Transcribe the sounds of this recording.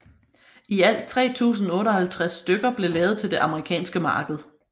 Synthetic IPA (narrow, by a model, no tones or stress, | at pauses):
iæl̰d̥̚t͡sʰʁɛ̰ːt͡sʰṵːs̬n̩ɔ̽ːɾɒ̽hælt͡sʰʁasːd̥øɡ̥ɐb̥le̝lɛːʊð̩ˠt͡sʰe̝ld̥e̝ʔɑ̈məʁikʰɛ̰ːnsɡ̥əmɑ̈ːɡ̥əð̞̩ˠ